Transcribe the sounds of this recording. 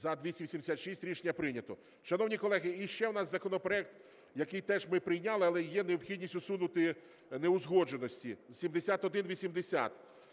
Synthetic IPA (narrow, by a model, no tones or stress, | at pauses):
zɐd̪ʲʋʲisʲimʲsʲimd̪esʲat̪ʃisʲtʲɾʲiʃenʲːɐpɾɪnʲɐt̪ɔ | ʃɐnɔwnʲikɔlˠɛɦɪiʃt͡ʃɛwnɑszɐkɔnɔpɾɔɛk̚t̪ | jɐkɪjt̪ɛʒmɪpɾɪjnʲɑlˠɪɐlˠɛjɛneɔpxʲidʲnʲisʲtʲʊsunʊt̪ɪ | neʊzɦɔd͡ʒenɔsʲtʲisʲimd̪esʲat̪ɔd̪ɪnʋʲisʲimd̪esʲa̰t̪